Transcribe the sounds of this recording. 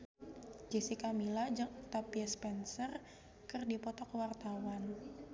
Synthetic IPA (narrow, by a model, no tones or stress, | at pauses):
d͡ʒisikamilad͡ʒəŋt̪apiaspɛnsər | kɨrdipɔt̪ɔkwart̪awan